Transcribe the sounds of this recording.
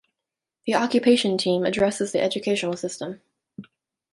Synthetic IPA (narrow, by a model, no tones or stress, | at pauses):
ðiɑkjɨpʰeɪʃɨ̃ntʰĩmɨdɹɛsɨzðiʔɛd͡ʒɨkʰeɪʃn̩l̩ˠsɪstə̃m